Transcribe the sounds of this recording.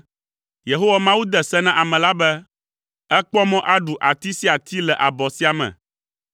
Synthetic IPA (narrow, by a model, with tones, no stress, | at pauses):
je˨ɦo˦wa˦mã˦wu˦d̪ɛ˨sɛ˦nã˦ʔa˨mɛ̃˨la˦bɛ˦ | ɛ˦k͡pɔ˦mɔ̃˦ʔa˦ɖu˨ʔa˨t̪i˦si˦a˨t̪ʰi˦lɛ˨ʔa˨bɔ˨si˦a˨mɛ̰̃˨